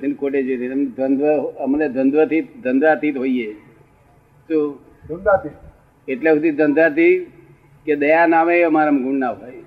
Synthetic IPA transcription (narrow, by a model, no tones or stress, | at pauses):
t̪ʰinkoʈed͡ʒojɾinmd̪ənd̪ʋəɦəmned̪ʱənd̪ʋət̪ʰid̪ənd̪ʋat̪it̪ɦoie | t̪o | d̪ənd̪at̪i | eʈlekʰud̪id̪ʱənd̪ʋat̪i | ked̪əjanaʋeəmaɾamɡʱuɳnaʋɦoj